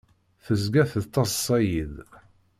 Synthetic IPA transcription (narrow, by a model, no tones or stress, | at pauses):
θəzɡæθəðt̪ˤːɑssˤːɑjið